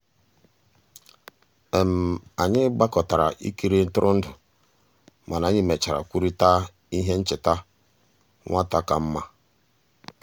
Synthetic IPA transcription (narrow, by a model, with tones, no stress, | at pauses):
e˨m̩˨a˨ɲɪ˦ɡ͡ba˦kɔ˨ta˨ɾa̰˨ʔḭ˦ki˦ɾe˦n̩˦tʊ˦ɾʊ˦n̩˦dʊ˨ | ma˨na˨˦ɲɪ˦me˨t͡ʃa˨ɾa̰˨kʷu˦ɾi˦ta˦ | i˦ɦe˦n̩˦t͡ʃɪ˨ta˦ | ŋʷa˦ta˦ka˨m̩˦ma˦